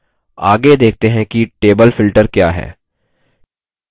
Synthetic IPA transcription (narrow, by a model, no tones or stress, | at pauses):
aːɡed̪eːk̚ʰt̪eɦɛ̃kiʈeːbəlfɪlʈəɾkjaːɦɛ̰ː